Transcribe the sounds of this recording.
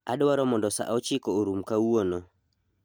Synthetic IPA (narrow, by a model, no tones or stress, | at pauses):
adwaɾɔmɔndɔsa̰ʔɔt͡ʃikɔoɾumkauɔnɔ